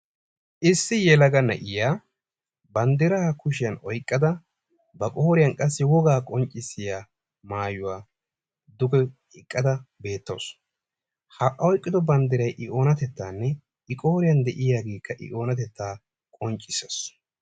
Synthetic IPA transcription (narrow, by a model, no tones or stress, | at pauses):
ʔɪsːɪjɛlɐɡɐnɐ̰ʔɪjaː | bɐnd̪ɪɾaːkʊʃɪjɐnɔjkʼːɐd̪ɐ | bɐkʼoːɾɪjɐnkʼɐsːɪwɔɡaːkʼɔnt͡ʃʼːɪsːɪjaː | maːjʊwaː | d̪ʊɡɛ | ɪkʼːɐd̪ɐbe̞ːt̪ːo̰ːs | hɐʔɐɔjkʼːɪd̪ɔbɐnd̪ɪɾɐjʔɪʔo̞ːnɐt̪ɛt̪ːaːnːɛ | ʔɪkʼoːɾɪjɐnd̪ɛʔɪjaːɡeːkːɐʔɪ̰ʔo̞ːnɐt̪ɛt̪ːaː | kʼɔnt͡ʃʼːɪses